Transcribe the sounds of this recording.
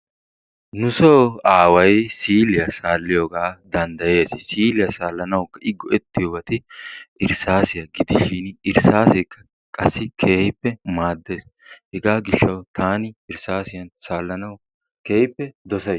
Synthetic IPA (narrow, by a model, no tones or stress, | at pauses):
nʊsoːaːwɐjsiːlɪjɐsaːlːɪjoːɡaːd̪ɐnd̪ɐje̞ːssiːlɪjɐsaːlːɐnɐwkːɐʔɪɡːɔɛt̪ːɪjobɐt̪ɪʔɪɾsaːsɪjɐɡɪd̪ɪʃiːnɪɾsaːsɛjkːɐ̥ | kʼɐsːɪkʰeːhɪpːɛmaːd̪ːeːs | hɛɡaːɡɪʃːɐwt̪ʰaːnɪɪɾsaːsɪjɐnsaːlːɐnɐw | keːhɪpːɛd̪ɔsɐ